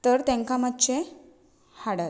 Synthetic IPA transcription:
t̪əɾt̪ẽŋkamatːt͡ɕe | haɽa

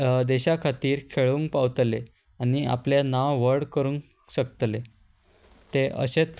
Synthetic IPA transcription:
d̪eɕakʰat̪iːɾkʰeɭuŋkpaʋt̪le | ania̰pljanaʋʋəɽkəɾũŋ | ɕəkt̪le | t̪eʔə̰ɕet͡s

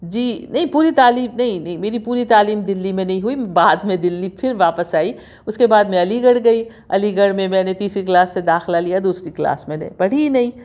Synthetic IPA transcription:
d͡ʒiːnɐɦĩpuːɾit̪aːliːmnɐɦĩnɐɦĩmeːɾipuːɾit̪aːliːmd̪ɪlːimẽnɐɦĩɦuibaːd̪mẽd̪ɪlːipʰɪɾʋaːpəsaːi | ʊskebaːd̪mẽɐliɡɐɽɡɐi | ɐ̰liɡɐɽmẽmɛ̃ːnet̪iːsɾiklaːsːed̪aːxɪlalijad̪uːsɾikla̰ːsmɛ̃ːnḛbɐɽ̤inɐɦĩ

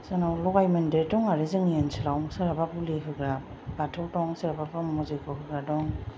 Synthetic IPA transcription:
sɯnawlɔɡajmɯndetɔŋaɾezɯŋjensɯlawŋsɯɾabapuliɦɯɡɾa | batʰɔwtɔŋsɯɾababɾɔmmɔzikʰɔɦɯɡɾadɔŋ

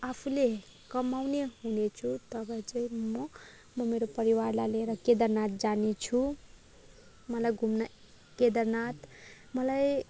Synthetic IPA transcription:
apʰule | kʌmawneɦunet͡sʰut̪ʌbʌt͡sʌĩmʌ | mʌmeɾopʌɾiwaɾlajleɾʌked̪ʌrnat̪̚d͡zanet͡sʰu | mʌlajɡʱumnʌ | ked̪ʌɾnat̪ | mʌlaj

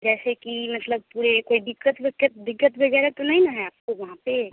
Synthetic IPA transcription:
d͡ʒɛːsekimət̪ləb̚puɾekoidikːət̪bekːət̪d̪ikːət̪bʱəɡɛɾet̪onaɦinaɦɛaːp̚koʋɐɦãpe

